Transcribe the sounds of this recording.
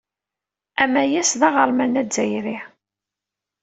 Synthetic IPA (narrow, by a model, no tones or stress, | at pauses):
æmæjæsðɑʁəɾˤmænæzæjɾi